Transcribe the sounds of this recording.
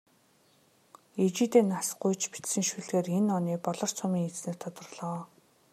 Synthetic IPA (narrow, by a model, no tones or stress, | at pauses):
et͡ɕiːt̪eːnasɢʊjt͡ɕpi̥t̪sɘ̆ŋʃuɮɣeːrenɔniːpɔɮɞ̆r̥t͡sʰʊmiːŋet͡sneːrt̪ʰɔt̪ɞ̆rɮɔː